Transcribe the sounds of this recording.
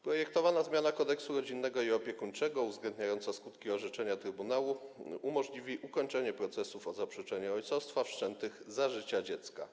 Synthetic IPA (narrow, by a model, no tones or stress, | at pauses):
pɾɔjɛkt̪ɔvanazmʲjanakɔd̪ɛksuɾɔd͡ʑinːɛɡɔiɔpʲjɛkuɲt͡ʂɛɡɔuvzɡlɛnd̪̚ɲajɔnt̪saskut̪kʲiɔʐɛt͡ʂɛɲat̪ɾɘbunawuumɔʐlʲivʲiʔukɔɲt͡ʂɛɲɛpɾɔt̪sɛsufɔzapʂɛt͡ʂɛɲɛɔjt̪sɔfst̪fafʂt͡ʂɛnt̪ɘɣzaʐɘt͡ɕad͡ʑɛt̪ska̰